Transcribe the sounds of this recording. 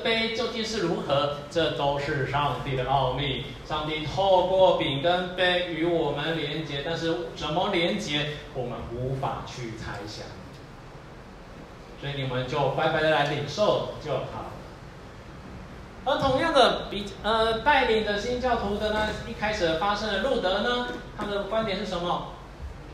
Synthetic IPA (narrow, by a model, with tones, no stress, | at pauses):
pe˥ɪt͡ɕjo˥˧ʊt͡ɕi˥˧nʂɻ̩˥˩ɻu˧˥xɤ˧˥ʈ͡ʂɤ˥˧t̪o˥ʊʂɻ̩˥˧ʂɑ˥˧ŋt̪i˥˩ɾə˩ʔɑ˥˧ʊmi˥˩ | ʂɑ˥˧ŋt̪i˥˩t̪ʰo˥˧ʊkwɔ˥˩pi˨˩ŋkə˦npe˥ɪy˧˥wɔ˨˩mə˦nljɛ˧˥nt͡ɕjɛ˧˥t̪a˥˧nʂɻ̩˥˩ʈ͡ʂə˨˩nmə˧˦ljɛ˧˥nt͡ɕjɛ˧˥wɔ˨˩mə̰˦nu˧˦˥fa̰˨˩t͡ɕʰy˥˩t͡sʰa˥ɪɕjɑ̰˨˩ŋ | swɔ˧˥i˨ni˨˩mə˦nt͡ɕjo˥˩ʊxwa˧˥ɪkwa˧˥ɪd̪ə˧la˧˦ɪli˨˩ŋʂo˥˩ʊt͡ɕjo˥˩ʊxʰɑ̰˨˩ʊlə̰˦ | ə˧˥t̪ʰʊ˧˥ŋja˥˩ŋd̪ə˨˩pi˨˩ə˧t̪a˥˩ɪli˨˩ŋd̪ə˨ɕi˥nt͡ɕjɑ˥˩ʊt̪ʰu˧˥t̪ə˧t̪ʰa˥i˥˩kʰa˥ɪʂɻ̩˨˩əfa˥ʂə˥ŋd̪ə˨lu˥˩t̪ə˧˥nə˨t̪ʰa˥d̪ə˨kwa˥nt̪jɛ˨nʂɻ̩˥˩ʂə˧˥˦mə˨